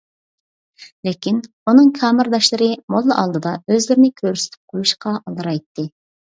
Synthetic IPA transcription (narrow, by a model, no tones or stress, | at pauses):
lɪkʲin | unɨŋkʲʰɑːmɪɾd̪ɑʃlˠɨɾɨmolˠːɨʔɑ̰lˠd̪ɨd̪ɑøzlɪɾɪnɪkʲʰøɾsɪ̥t̪ʰy̥p̚qʰojuʃqʰɑʔɑlˠd̪ɨɾɑjt̪ːɨ